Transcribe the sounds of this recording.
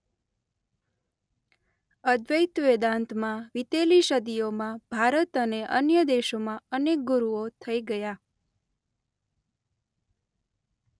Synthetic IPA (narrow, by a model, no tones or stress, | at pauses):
əd̪ʋəjt̪ʋed̪ãnt̪mãʋit̪eliʃəd̪ijomãb̥ʱaɾət̪əneʔə̰njəd̪eʃomãənek̚ɡuɾuot̪ʰəiɡəja